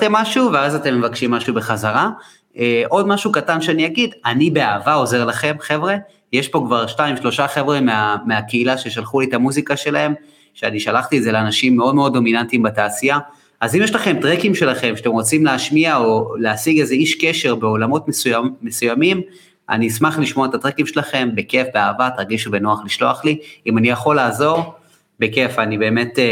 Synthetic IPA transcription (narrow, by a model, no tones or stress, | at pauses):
t̪emːaʃuveazat̪e̞mːevakʃimːaʃube̞χazaʁa | eʔo̞dmaʃukatanʃeaniaɡidanibe̞aːvao̞ze̞ʁlaχe̞mχe̞vʁe̞ | jeʃpo̞kvaʁʃtaimʃlo̞ʃaχe̞vʁe̞meameakeilaʃe̞ʃalχulitamuzikaʃe̞lae̞m | ʃeaniʃalaχtiedze̞leanaʃimːe̞o̞dmeo̞d̪ːo̞minantimbataːsia | azimjɛʃlaχe̞mtʁekimʃe̞laχe̞mʃatemʁo̞t͡simleaʃmiaoleasiɡezeiʃkeʃe̞ʁbe̞o̞lamo̞tmesujaːe̞sujamim | ʔa̰nismaχliʃmo̞aet̪at̪ʁekimʃelaχe̞mbeke̞fbeaːvatʁaɡiʃube̞noaχliʃlo̞aχliimanijaχo̞laːzo̞ʁ | be̞ke̞fanibe̞ːme̞t